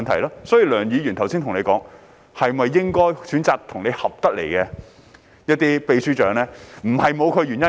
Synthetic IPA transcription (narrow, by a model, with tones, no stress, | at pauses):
nt̪ʰɐ˨˩jlaː˥sɔː˨˥jiː˨wlœː˨˩ŋjiː˨˧ɥyː˨˩nt̪ʰɐ˨˩wsiː˥nt̪ʰʊ˨˩ŋne˨˧kɔː˨˥ŋ | hɐ˨jmɐ˨jːɪ˥ŋkɔː˥jsyː˨˥nt͡saː˨k̚t̪ʰʊ˨˩ŋne˨˧hɐ˨p̚t̪ɐ˥lḛ˨˩jkɛ˧ | jɐ˥t̚t̪iː˥pe˨˧jsyː˥t͡ʃœː˨˥ŋlɛː˥m̩˨˩hɐ˨jmo˨˧wkʰɵ˨˧ɥy˨˩njɐ˥